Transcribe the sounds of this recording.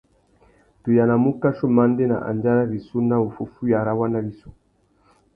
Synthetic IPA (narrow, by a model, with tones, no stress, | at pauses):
tu˨ja˨na˨mu˦ka˦ʃo˦ma˦nde˦na̰˨ʔa̰˨nd͡ʒa˦ɾa˦bi˨su˦na˦u˨fu˦fu˦ja˨ɾa˦wa˦na˦bi˨su˦